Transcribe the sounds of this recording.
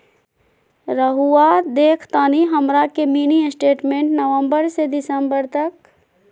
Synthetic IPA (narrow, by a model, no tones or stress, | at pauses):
ɾəɦuad̪eːkʰt̪aːniɦɐmɾakemiːniəsʈeːʈmẽːɳʈnɐʋə̃mbəɾsed̪ɪsəmbəɾt̪ɐk̚